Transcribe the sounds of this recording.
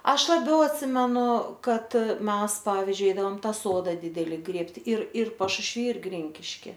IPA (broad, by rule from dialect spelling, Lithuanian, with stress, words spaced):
ˈɐʃ lˠɐˈbʲɛʊ ɐtʲˈsʲɪmʲɛnʊ ˈkɐt ˈmʲɛs ˈpɑːʋʲɪzʲd͡ʒʲʊɪ ˈɛɪdɐʋoːm ˈtɑː ˈsoːdɑː ˈdʲɪdʲɛlʲɪ ˈɡrʲeːpʲtʲɪ ɪr ɪr pɐʃʊʃʲˈʋʲiː ɪr ˈɡrʲɪŋʲkʲɪʃʲkʲɪ